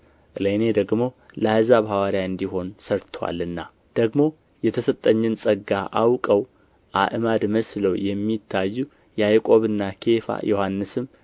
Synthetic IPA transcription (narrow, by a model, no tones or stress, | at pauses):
ʔɨlened̪əɡmo̞ləhɨzaβhawaɾjaɨnd̪iɦo̞nsəɾt̪ʰəwa̰lːɨnːa | d̪̥əɡmo̞ | jɛt̪ʰəsət̪ʼːəɲːɨnsʼəɡːaʔawkʼəw | ʔaʔɨmad̪məsləwjɛmːit̪ʰːajːu | jɛajkʼo̞βɨnːakʰe̞fa̰jʔohanːɨsɨm